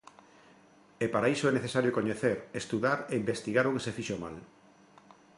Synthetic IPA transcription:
epaɾaisoɛneθesaɾjokoɲeθeɾest̪uðaɾeimbest̪iɣaɾokesefiʃoma̰l

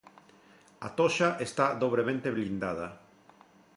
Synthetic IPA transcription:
a̰t̪oʃaʔest̪aðoβ̞ɾemẽnt̪eβlind̪aða

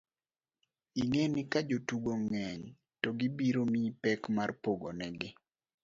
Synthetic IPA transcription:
iŋenɪkad͡ʒotuɡoŋɛɲ | tɔɡibiɾomipɛkmarpoɡo̰nɛɡɪ

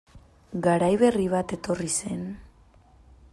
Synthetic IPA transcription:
ɡaɾajβe̞riβ̞at̪e̞t̪o̞rise̞n

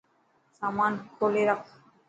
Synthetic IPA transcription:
samankʰoleɾak

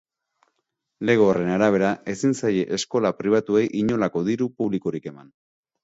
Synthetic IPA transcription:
le̞ɣ̞oare̞naɾaβ̞e̞ɾae̞sinsaje̞ʔesko̞lapɾiβ̞at̪ue̞jʔiɲo̞lako̞ðiɾupuβlikoɾike̞man

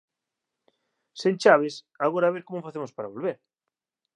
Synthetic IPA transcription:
sent͡ʃaβ̞es | aɣoɾaβ̞eɾkomofaθemospaɾaβolβeɾ

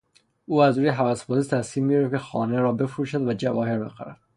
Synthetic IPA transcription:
uːæzɾuːjeɦævæsbɒzist̪ʰæskiːmːiɾefcʰexɒːne̞ɾɒːbe̞fɾuːʃæd̪væd͡ʒævɒːhe̞ɾbexæ̰ɾæd̪̥

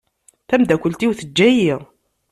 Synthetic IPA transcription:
θæmd̪ækʷəlt̪iwθəd͡ʒːæjiʁ

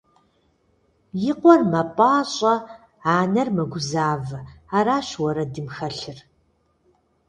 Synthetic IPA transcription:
jɪqʷɔrmɐpʼaːɕʼɐ | aːnɐrmɐɡʷʊzaːvɨaːɾaːɕwɔɾɐdɨmxɐɬɨr

